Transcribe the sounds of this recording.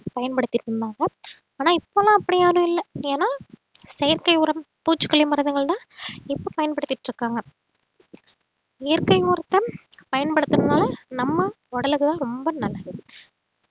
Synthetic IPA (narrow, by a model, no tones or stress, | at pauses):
pɐjɐnpɐɽɯt̪ːɪʈɾɯnd̪aːŋɡɐ | aːnaːɪpːoːlãːɐpːɐɽɪjaːɾɯ̃ɪlːɐeːnaːsɛjɐɾkɐɪʊɾɐm | puːt͡ʃːɯ̥kːɐɭɪmɐɾɐðɯŋɡɐɭt̪ãːɪpːoːpɐjɐnpɐɽɯt̪ːɪʈːɾɯkːaːŋɡɐ | ɪjɐɾkɐɪuːɾɐt̪ːɐpɐjɐnpɐɽɯt̪ːɯnɐnaːlɐnɐmːɐ | ɔɽɐlɯkːɯðãːɾɔmbɐnɐlːɐðɯ